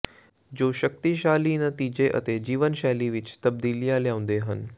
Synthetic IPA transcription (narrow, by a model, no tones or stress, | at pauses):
d͡ʑoːʃək̚t̪iʃaːlinət̪iːd͡ʑeʔə̰t̪ed͡ʑiːʋənʃaːliʋɪt͡ʃt̪ɐb̚d̪iːlijaljãːʊ̃nd̪eɦən